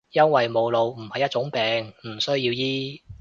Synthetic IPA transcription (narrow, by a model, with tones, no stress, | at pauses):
jɐ˥nwɐ˨jmo˨˧wlo˨˧wm̩˨˩hɐ˨jːɐ˥t̚t͡ʃʊ˨˥ŋpɛː˨ŋm̩˨˩sɵ˥ɥjiː˧wjiː˥